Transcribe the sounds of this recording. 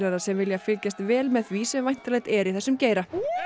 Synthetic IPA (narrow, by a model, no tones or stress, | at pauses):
lɛɾasɛmvɪljafɪlcast̪vɛːlmɛðθvisɛmvajn̥t̪alɛɣt̪ɛɾiθɛsːʏmceːjɾa